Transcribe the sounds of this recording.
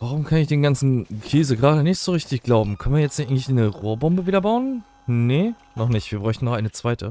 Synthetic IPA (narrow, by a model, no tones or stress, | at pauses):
vaʁʊmkʰanɪçd̥eːnɡant͡sn̩kʰeːzəɡʁaːɾənɪçtz̥oːʁɪçtɪçɡ̥laʊbm̩kʰœnviːɐjɛt͡stʔaɪŋlɪçnəʁoːɐbɔmbəviːdɐbaʊən | nə | nɔχnɪçtv̥iːɐbʁɔʏçtn̩nːɔχʔaɪnət͡sv̥aɪtʰə̰